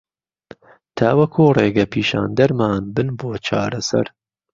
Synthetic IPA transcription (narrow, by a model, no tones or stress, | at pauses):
t̪ʰaːwɐkʰuːreːɡɐpʰiːʃa̰ːnd̪ɐɾmaːnbɨnboːt͡ʃʰaːɾɐsɐ̰ɾ